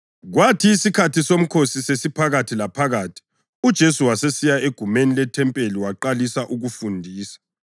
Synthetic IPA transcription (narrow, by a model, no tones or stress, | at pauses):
ɣwatʰiːsikʰatʰisom̩kʰosisesipʰaɣatʰilapʰaɣaːtʰi̥ | ud̥ʒ̥ʱesuwasesijaeɡ̥ʱumenilɛtʰɛmpʼeliwaǃalisaʔuɣufundʱiːsḁ